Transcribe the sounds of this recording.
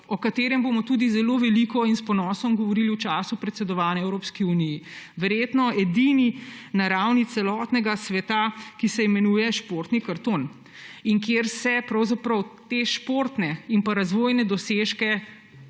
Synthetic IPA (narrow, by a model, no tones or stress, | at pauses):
ɔkat̪eːɾɛmbomɔt̪uːd̪izɛloʋɛlikɔinspɔnɔːsɔmɡɔʋɔɾiliut͡ʃaːsupɾɛt̪sɛd̪ɔʋaːnɛɛwɾoːpskiunijiʋɛɾjeːt̪nɔɛd̪ininaɾawnit̪sɛlɔːt̪nɛɡasʋɛt̪akisɛimɛnuːjɛʃpoːɾt̪nikaɾt̪oːn | iŋkjeːɾsɛpɾɐwzapɾɐwt̪eʃpoɾt̪nɛimpaɾazʋoːjnɛd̪ɔseːʃkɛ